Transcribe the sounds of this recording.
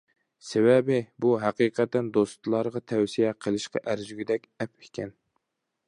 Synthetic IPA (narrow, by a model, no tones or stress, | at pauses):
sewɛbɪbuɦæqiqʰɛt̪ːɛnd̪ost̪lˠɑɾʁɑt̪ʰɛwsijɛqʰəlˠɨʃqʰɑ̰ʔæɾzyɡʲɪd̪ɛkʲɛpɪkʲʰɛn